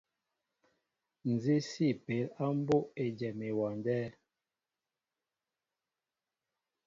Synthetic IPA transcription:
n̩˨zi˦si˦˨pe˨˦la˦m˦bo˦ʔe˨d͡ʒɛ˨me˨wa˨ndɛː˦

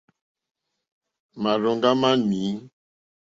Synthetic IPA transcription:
ma˨ɾɔ˨ŋɡa˦ma˦ni˨˦

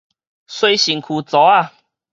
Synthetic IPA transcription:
swe˧jɕi˨˩ŋkʰu˨˩t͡sɔ˨˦a˥˧˨

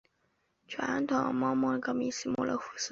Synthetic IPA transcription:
t͡ɕʰɥa˧˥nt̪ʰʊ˨˩ŋmɑ˥˧mɑ˥˩˧kɑ˥˩mi˧˥ɕi˥mṵ˥˩lʔə̰˧˥xu˧˩s̩˥

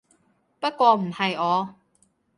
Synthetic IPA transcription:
pɐ˥t̚kʷɔː˧m̩˨˩hɐ˨jɔː˨˧

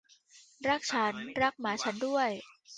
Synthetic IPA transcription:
ɾa˦˥˩k̚t͡ɕʰa˦˥nɾa˦˥k̚maː˩˦t͡ɕʰa˦˥ndu˥˩əj

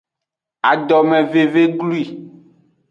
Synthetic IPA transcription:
a˨ɖɔ˨mɛ̃˨ve˨ve˦ɡlu˦i˨

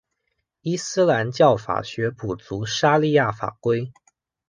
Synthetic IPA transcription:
i˥sɹ̩˥la˧˥nt͡ɕjɑ˥˩ʊfa̰˨˩ɕɥɛ˧˥pu˨˩t͡su˧˥ʂa˥li˥˧ja˥˩fa̰˨˩kwe˥ɪ

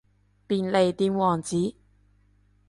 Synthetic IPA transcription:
piː˨nle˨jt̪iː˨˧˥mwɔː˨˩ŋt͡siː˨˥

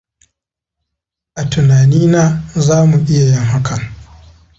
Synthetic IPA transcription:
ʔa˨tʊ˨naː˨niː˦naː˦zaː˦mu˨ʔɪ˦ja˨jɪ˦ŋɦa˦kʰa˨

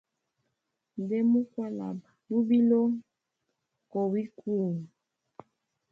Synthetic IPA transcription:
n˨dɛ˦mu˦kwa˦la̰˨ba˨ju˦bi˦lo˦ | ko˨wi˦ku˦˨

